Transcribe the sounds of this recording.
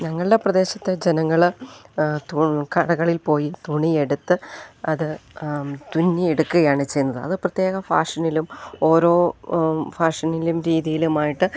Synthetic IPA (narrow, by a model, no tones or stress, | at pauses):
ɲɐŋːɐɭɨɽe̞prɐðe̞ːɕɐt̪ːe̞d͡ʑenɐŋːɐɭ | t̪ukɐɽɐɣɐɭilpo̞ːjit̪uɳie̞ɽut̪ːɨɐðɨ | t̪unːieɽukːuɣɐjaːɳɨt͡ɕe̞jnːɐðɨɐ̰ðɨprɐt̪je̞ːɣɐfa̰ːʂɐnilumo̞ːɾo̞ː | faːʂɐnilumɾiːðijilumaːjiʈːɨ